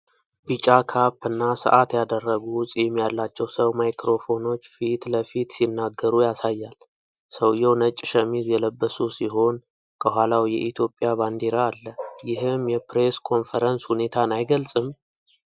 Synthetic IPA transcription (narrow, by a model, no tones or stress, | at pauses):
b̥it͡ʃʼakʰapːɨnːasə̰ʔat̪jad̪ərːəɡuwsʼjɛmːijalːat͡ʃːɛwsəwmajkɾo̞fo̞no̞t͡ʃːfit̪ləfit̪sinːaɡːəɾujasajːal | səwjɛwnət͡ʃʼːʃəmizjɛləbːəsusiɦo̞n | kʰəhʷalawjɛ̰ʔit̪ʰjo̞pʼːjaband̪eɾaːlːəjɪɦɨmjɛpɾe̞skʰo̞nfəɾənshune̞t̪ʰanajɡəlsʼɨm